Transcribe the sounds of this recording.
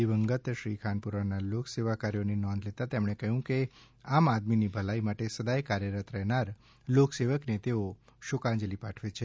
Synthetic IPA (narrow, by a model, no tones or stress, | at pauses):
iʋəŋɡət̪ʃɾikʰanpuɾanalokseʋakaɾijonenɔ̃nd̪let̪at̪emɽ̃ekəɦũke | amad̪minibʱəlaimaʈesəd̪ajkaɾjəɾət̪ɾəɦnaɾ | lokseʋəknet̪eo | ʃʊkãɲd͡ʒəlipaʈʰʋet͡ʃʰe